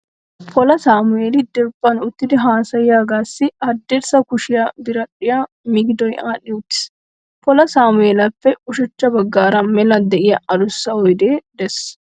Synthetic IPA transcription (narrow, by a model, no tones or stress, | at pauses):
pʰɔlɐsaːmʊeːlɪd̪ɛɾbːɐnʊt̪ːɪd̪ɪɦaːsɐjjaːɡaːsːɪɐd̪ːeɾsɐkʊʃɪjɐbɪɾɐᶑːɪja | mɪɡd̪ɔjʔaːᶑɪʊt̪ːɪ̥s | pɔlɐsaːmʊeːlɐfːɛʊʃɐt͡ʃːɐbɐɡːaːɾɐmɛlɐd̪ɛʔɪjɐʔɐd̪ʊsːɐɔjd̪eːd̪ɛs